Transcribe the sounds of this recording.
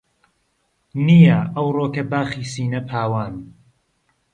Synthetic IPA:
nijɐɐwroːkɐbaːxiːsiːnɐpʰaːwaːn

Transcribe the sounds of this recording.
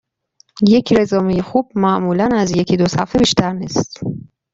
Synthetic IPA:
je̞cʰɾezɒːmejexub̥̚mæʔmuːlænæzje̞cʰid̪osæfebiːʃt̪ʰæɾniːst̪

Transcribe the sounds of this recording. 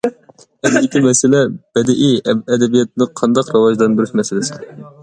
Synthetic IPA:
ɛd̪it̪ʲimɛsɪlɛb̥ɛd̪ɪʔiɛd̪ɛbijɛt̪̚nɨqʰɑnd̪ɑqɾɨwɑʒd̪ɑnbɪɾyʃmɛsɪlɪsɪ̥ɛ

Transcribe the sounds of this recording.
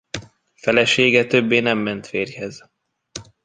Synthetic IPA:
fɛlɛʃeːɡɛt̪ø̞bːeːnɛmːɛnt̪feːrhɛz

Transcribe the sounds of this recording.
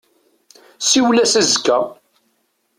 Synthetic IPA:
siwlæsæzkːæ

